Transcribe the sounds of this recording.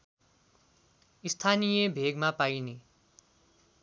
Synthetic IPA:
ist̪ʰanijebʱeɡmapajne

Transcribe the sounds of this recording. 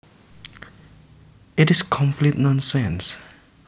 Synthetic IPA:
itiskʰɔ̃mpʰlit̚nɔ̃nsɛ̃ns

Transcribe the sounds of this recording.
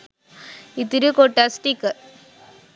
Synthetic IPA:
it̪ːiɾɯkoːʈːasʈikɐ

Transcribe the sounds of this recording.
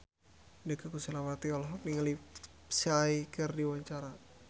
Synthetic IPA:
ndəkakusəlawat̪iɔlɔɦɔk̚niŋəli | siaikərdiwaɲt͡ʃaɾa

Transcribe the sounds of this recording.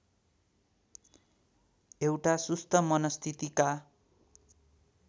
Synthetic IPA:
ewʈasust̪ʰʌmʌnʌst̪ʰit̪ika

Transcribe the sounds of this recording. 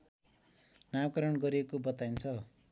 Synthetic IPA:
nakʌɾʌnɡʌɾiekobʌt̪aint͡sʰʌ

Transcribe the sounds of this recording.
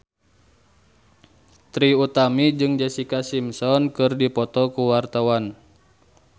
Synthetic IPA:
t̪ɾiut̪amid͡ʒɨŋd͡ʒɛsikasimsɔnkɨrdipɔt̪ɔkuwart̪awan

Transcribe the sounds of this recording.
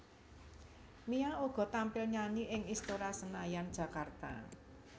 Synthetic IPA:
miaoɡ̥ɔ̤t̪ampɪlɲaniʔɪŋist̪oɾasənajand̥ʒ̥ä̤kart̪a̰

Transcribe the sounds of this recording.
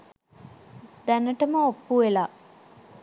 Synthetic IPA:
d̪ænəʈəməopːuela

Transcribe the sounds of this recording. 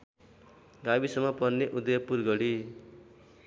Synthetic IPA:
ɡabisʌmːʌpʌnnːeʔud̪ʌjʌpurɡʌɽi

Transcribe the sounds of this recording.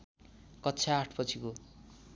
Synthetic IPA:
kʌtːt͡sʰaːʈʰpʌt͡sʰiko

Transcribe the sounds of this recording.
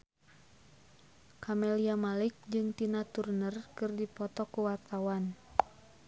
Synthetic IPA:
kʰamɛliamalik̚d͡ʒɨŋt̪inat̪urnərkɨrdipɔt̪ɔkuwart̪awan

